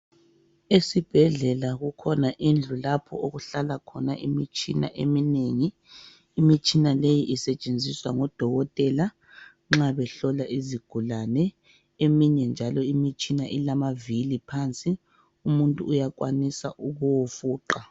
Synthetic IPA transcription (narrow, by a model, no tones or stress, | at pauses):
esib̥ʱɛɮɛlaɣukʰɔnaʔind͡ɮʱulapʰɔ̰oɣuɬalakʰɔna̰ʔimit͡ʃʼina̰ʔemineːŋiː | mit͡ʃʼinalejiʔisɛt͡ʃʼend͡zʱiswaŋɔd̥ʱɔɣɔtʼɛla | ŋ͡ǁaβɛɬɔlaʔiziɡ̥ʱulanɛ | emiɲɛnd͡ʒʱalɔimit͡ʃʼinaʔilamavilipʰant͡sʼi | umuntʼṵːjak̬ʼwanisa̰ʔuɣuwufuːǃa